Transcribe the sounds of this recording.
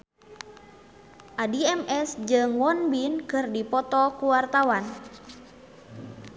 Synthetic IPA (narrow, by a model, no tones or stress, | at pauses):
ʔadiɛmɛsd͡ʒɨŋwɔnbinkɨrdipɔt̪ɔkuwart̪awan